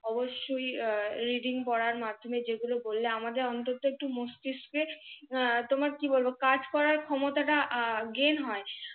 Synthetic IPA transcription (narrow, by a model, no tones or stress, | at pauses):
ɔboʃːojɾiɖiŋpɔɽaɾmad̪ʱːomed͡ʑeɡulobolːeamad̪eɾɔnt̪ot̪oek̚ʈumosʈ̪iskɾe | t̪omaɾkibolbokad͡ʑkɔɾaɾkʰɔmot̪aʈaʔɡenɦɔe